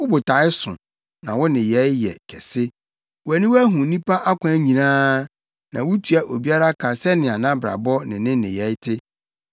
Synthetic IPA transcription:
wʊ˦bʊ˨tʰa˨˦ɪ˦sʊ̰̃˨ | nã˨wʊ˦nɪ̃˨jɛ˨˦jɛ̰˨kʰɛ˨sɪ˦ | wæ˨nĩ˦wæ˦ɦʊ̃˨nĩ˦pʰa˦ʔa˦kʷã˦ɲĩ˨nãː˦ | nã̰˨wʊ˦tʰu˨a˨ʔo˨bi˦a˦ɾa˦kʰa˨sɛ˦nɪ̃˨a˨nã˦bɾa̰˨bɔ˦nɪ̃˨nɪ̃˦nɪ̃˨jɛ˨˦jtʰɪ˦

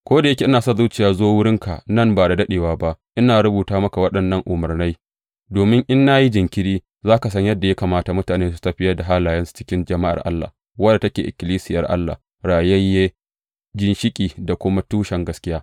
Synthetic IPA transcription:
kʷoː˦da˨jɐ˦kʲe˨ʔɪ˦naː˨sɐ˦˨zu˦t͡ʃɪ˨jaː˨zoː˦wʊ˦ɽɪ˦ŋka̰˨nɐ˦˨mbaː˨da˨dɐ˦ɗeː˨waː˦ba˦ʔʔɪ˦naː˨ɽʊ˦buː˨taː˦mɐ˦ka˨wɐ˦ɗɐ˨nːɐ˦ŋʔʊ˨mɐ˨rna˦j | doː˨mɪ˦ŋʔɪ˦nːa˦ji˦d͡ʒɪ˨ŋkʲɪ˦ɽiː˦ | zaː˦ka˨s̬ɐ˦ɲjɐ˦dːa˨ja˦kaː˨maː˦ta˨mʊ˦taː˨neː˦s̬u̥˦tɐ˦ɸɪ˦jɐ˦da˨ɦaː˦laː˨jɐ˦nsu̥˨t͡ʃɪ̥˦kʲɪ˦nd͡ʒɐ˨ma˦ʔa̰˨rʔa̰˦lːa̰ː˨ | wɐ˦da˨tɐ˦kʲeː˨ʔɪ̰˨kʲɪ˨liː˦sɪ˦jɐ˨rʔa̰˦lːa̰˨ | ɽaː˨jɛ˦jːe˦ | d͡ʒɪ˦nʃɪ˦kʲʼiː˨da˨kʷʊ˦ma˦tuː˦ʃɛ˨ŋɡɐ˦skʲɪ˦jaː˦

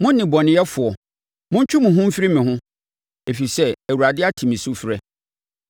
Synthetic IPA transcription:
mʊ̃˦nɪ̃˨bɔ˨nɪ̃˦jɛ˦fʊ˨ɔ˨ | mʊ̃˦ɲ̩˦t͡ɕᶣʰu˦mʊ̃˨ɦʊ̃˦m̩˦fi˦ɾi˦mɪ̃˨ɦʊ̃˦ | e˨fi˨sɛ˦æ˨wu˨ɾa˨dɪ˦a˦tʰĩ˨mĩ˨su˦fɾɛ˦

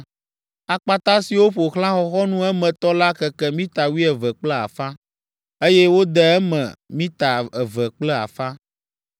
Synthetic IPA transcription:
a˨k͡pa˦t̪a˦si˨wo˦ɸo˨xl̃ã˦xɔ˦xɔ˦nũ˦ɛ˦mɛ̃˨t̪ɔ˦la˦kɛ˨kɛ˦mĩ˦t̪a˨wi˦ɛ˨vɛ˨k͡plɛ˦a̰˨fa˦ | e˦jɛ˦wo˦d̪ɛ˨ɛ˦mɛ̰̃˨mĩ˦t̪a˨ɛ˨vɛ˨k͡plɛ˦a̰˨fa˦

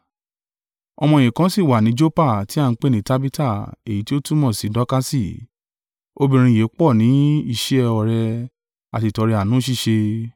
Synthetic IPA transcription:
ɔ̰˧mɔ̃˧˨ĩ˨kã˨˦si˦˨wa˨nĩ˨˦d͡ʒo˦pa˦˨ti˨˦a˦˧n̩˦k͡pe˦˨nĩ˨˦ta˦bi˦ta˦˨e˨ji˨˦ti˦o˦tu˦mɔ̃˦˨si˨˦dɔ˨˦ka˦si˦˨ | o˧bĩ˧ɾ̃ĩ˧je˨˦k͡pɔ˦˨nĩ˨˦i˧ʃi˦ɛ˧ɔ˨ɾɛ˧ | a˨ti˧˨tɔ˧ɾi˧a˨nũ˨˦ʃ̬i˦˨ʃe˧

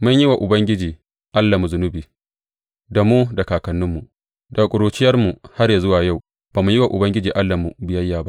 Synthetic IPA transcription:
mʊ˦ɲjɪ˦wa˨ʔʊ˨bɐ˦ŋɡʲɪ˦d͡ʒiː˨ | ʔa˦lːa˨mu˨zʊ˨nʊ˦biː˨ | da˨muː˦da˨kaː˨kɐ˨nːʊ˦mːu˨ʔ | da˨kʷʼʊ˨ɾuː˨t͡ʃɪ˦jɐ˦rmu˨ha˦rja˨zʊ˦waː˨ja˦˨w | b̥aː˨mu˨ji˦wa˨ʔʊ˨bɐ˦ŋɡʲɪ˦d͡ʒiː˨ʔa˦lːa˨mu˨bɪ˨jɐ˦jːaː˨ba˦ʔ

